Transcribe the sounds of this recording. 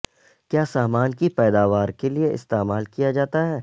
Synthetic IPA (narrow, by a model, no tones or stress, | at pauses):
kjaːsaːmaːnkipɛːd̪aːʋaːɾkelieʔɪst̪eːmaːlkijad͡ʒaːt̪aɦɛː